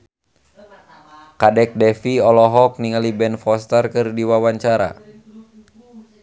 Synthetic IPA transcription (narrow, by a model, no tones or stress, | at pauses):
kadɛk̚dɛfiɔlɔɦɔk̚niŋalibɛnfɔst̪ərkɨrdiwawaɲt͡ʃaɾa̰